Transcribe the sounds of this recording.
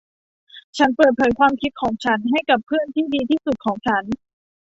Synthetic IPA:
t͡ɕʰa˦˥npɤː˨˩t̪̚pʰɤː˩˦jkʰwaː˧mkʰi˦˥t̪̚kʰɔː˩˦ŋt͡ɕʰa˦˥nɦa˥˩jka˨˩pʰːɯ˥˩ənt̪ʰiː˥˩diː˧t̪ʰiː˥˩su˨˩t̪̚kʰɔː˩˦ŋt͡ɕʰa˦˥n

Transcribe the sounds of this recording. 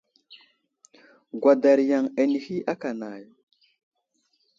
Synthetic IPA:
ɡwa˨da˨ɾja˨ŋa˨ni˨hi˦a˦ka˨na˨j

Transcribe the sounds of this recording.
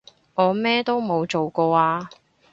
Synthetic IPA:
ŋɔː˨˧mɛː˥t̪o˥wmo˨˧wt͡ʃo˨wkɔː˧aː˧

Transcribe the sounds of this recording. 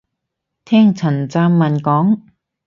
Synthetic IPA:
t̪ʰɛː˥˩ŋt͡sʰɐ˨˩nt͡saː˧mːɐ˨˩nkɔː˨˥ŋ

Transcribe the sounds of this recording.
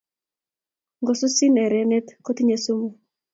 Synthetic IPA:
ŋɡɔ˨su˦si˦nɛ˨ɾɛ˨nɛ˦t̪ko˦t̪i˦ɲe˨su˦mo˨

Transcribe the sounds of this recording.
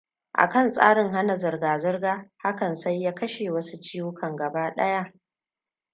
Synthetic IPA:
ʔa̰˨kɐ˦nsʼa̰ː˦ɽɪ˨ŋɦa˦na˨zɐ˨rɡaː˨zɪ˦rɡaː˦ha˦kɐ˨nsa˦jːaː˦kɐ˦ʃeː˨wɐ˦su˦t͡ʃiː˦wʊ˦kʰɐ˨ŋɡɐ˨baː˦ɗɐ̰˦ja˦ʔ

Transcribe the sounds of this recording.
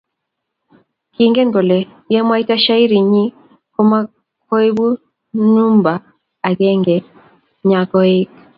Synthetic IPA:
ki˨ŋɡɛ˦ŋɡɔ˨lɛ˨ | jɛ˦mwa˦i˦ta˦ʃa˦i˦ɾi˨ɲi˦ | kɔ˦ma˦ | kɔ˦i˦bu˦ | nu˦mba˨ | a˨kɛ˦ŋɡɛ˨ | ɲa˨kɔ˦i˦k

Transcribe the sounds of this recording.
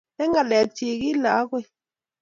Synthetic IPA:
e˦ŋɡa˨lɛ˨k̚t͡ʃi˧˨ki˦la˨˦kwe˦˨

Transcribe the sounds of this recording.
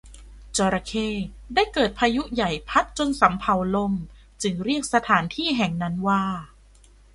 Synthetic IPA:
t͡ɕɔː˧ɾa˧kʰeː˧˥˩ | daː˥˩jkɤː˨˩t̪̚pʰaː˧ju˦˥ja˨˩jpʰa˦˥t̪̚t͡ɕo˧nsa˩˦mpʰa˨˦wlo˧m | t͡ɕɯ˧ŋɾi˥˩ək̚sa˧t̪ʰaː˩˦nt̪ʰiː˥˩ɦɛ˨˩ŋna˦˥nwaː˥˩

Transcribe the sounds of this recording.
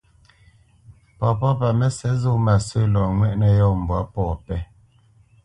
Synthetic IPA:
pɔ˨pɔ˦pa˨mɛ˦sɛ˨˦zo˦ma˨sə˦lɔ˨ŋwɛ˦˨ʔnɛ˨jɔ˦˨m̩˨bwa˨˦pɔː˦˨pɛ˦

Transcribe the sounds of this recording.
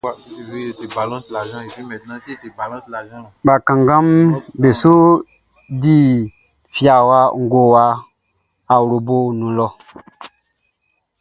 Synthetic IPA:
a˨si˦ti˨ve˦e˨te˨ba˨lã˦sla˨ʒã˦e˨ti˦mɛ̃˨t̪nã˦si˦e˨te˨ba˨lã˦sla˨ʒã˦˨ɓa˨kã˨ŋɡã˦mbe˨so˦ | di˦ | fja˨wa˦ŋ˦ɡo˨wa˦ | a˨wɾo˨bo˦nũ˨lɔ˦

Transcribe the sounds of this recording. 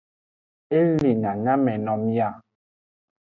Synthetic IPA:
e˦li˨na˨ŋa˦mɛ˨nɔ˨mja˦˨

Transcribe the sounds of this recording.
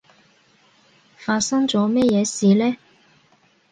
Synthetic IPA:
faː˧t̚sɐ˥ŋt͡sɔː˨˧mɛ˥jɛː˨˧siː˨lɛː˥

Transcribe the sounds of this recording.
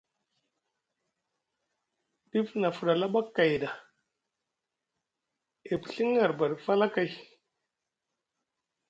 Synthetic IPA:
ɗi˦fna˨fu˨ɗa˨la˦ɓa˦kːa˨jda˨ | e˨pɬi˦ŋa˨ɾba˨ɗfa˦la˦ka˨j

